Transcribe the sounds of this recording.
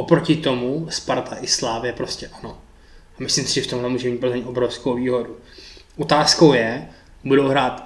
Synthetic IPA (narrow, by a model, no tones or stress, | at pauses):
ʔopɾocɪt̪o̞muspaɾt̪ʰaʔɪslaːvɪjɛpɾo̞scʲɛʔano̞ | amɪslɪmsɪʒɛft̪o̞mlɛmuʒɛmiːt̪̚pozmɲit̪ʔobɾofskowviːɦo̞du | ʔot̪aːsko̞wjɛ | budowɦɾaːt̪